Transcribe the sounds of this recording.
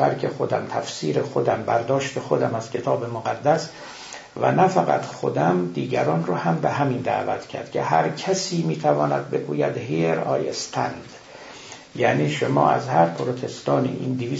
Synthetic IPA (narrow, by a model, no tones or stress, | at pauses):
æɾcʰexo̞d̪æ̰mt̪ʰæfsiːɾexod̪æmbæɾd̪ɒːʃt̪ʰexod̪æmæz̥cʰe̞t̪ʰɒːbemoɣæd̪ːæs | væ̰næfæɣæ̰t̪xod̪æmd̪iːɟæɾɒːnrɒːhæmbeɦæmind̪æ̰ːvæ̰t̪ʰcʰæ̰ɾd̪̥cʰeɦæɾcʰæsiːmiːt̪ʰævɒːnæd̪̚be̞ɡuːjæd̪ɦiɾɒ̰ːjḛst̪ʰænd̪̥ | jæniːʃomɒ̰ːæ̰zhæɾpʰoɾot̪ʰe̞st̪ɒːnḭʔiːnd̪iviː